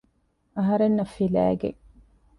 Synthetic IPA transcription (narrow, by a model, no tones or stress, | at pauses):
ɐɦɐɾenːɐfilæ̰ːɡḛŋ